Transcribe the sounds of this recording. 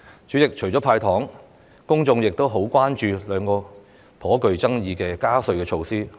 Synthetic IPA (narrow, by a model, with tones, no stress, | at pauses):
t͡ʃyː˨˥t͡sɪ˨k̚t͡ʃʰɵ˨˩ɥt͡ʃɔː˨˥pʰaː˧jt̪ʰɔː˨˥ŋ | kʊ˥ŋt͡ʃʊ˧ŋjɪ˨k̚t̪o˥wɦo˨˥wkʷaː˥nt͡ʃyː˧lœː˨˧ŋkɔː˧ | pʰɔː˨˥kɵ˨˧ɥt͡sɐ˥ŋjiː˧kɛː˧kaː˥sɵ˧ɥkɛː˧t͡ʃʰo˧wsiː˥